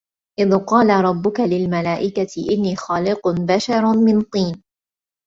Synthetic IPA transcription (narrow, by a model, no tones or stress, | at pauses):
ʔɪðqɑːlaɾˤɑbːʊkalɪlmalaːʔɪkat̪ɪʔɪnːiːxɑːlɪqbaʃɑɾˤmɪnt̪ˤiːn